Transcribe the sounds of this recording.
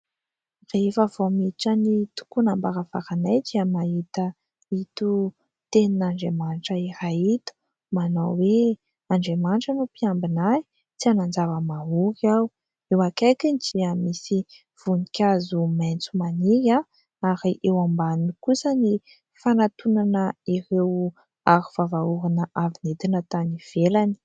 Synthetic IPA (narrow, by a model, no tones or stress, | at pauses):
refəv̥omiʈ͡ʂənit̪u̥kunambaɾafa̰kanajd͡ʒiəmaɦit̪ə | it̪u | t̪eninaɳɖ͡ʐemanʈ͡ʂəihait̪u̥ | manowwe | aɳɖ͡ʐemaɳʈ͡ʂənupiambinaj | t͡sianand͡zavəmaɦukaw | ewakajkind͡ʒiamisi | v̥unikʲazumejnt͡sumaniɡa | aɾiʔewambannikusəni | fanat̪unanəiɾew | aɾiv̥avauɦanəʔavinet̪inət̪aniv̥elani̥